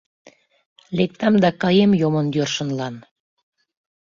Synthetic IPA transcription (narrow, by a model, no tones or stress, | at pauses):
lek̚t̪ɑmd̪ɑkɑjemjomənjørʃənlɑn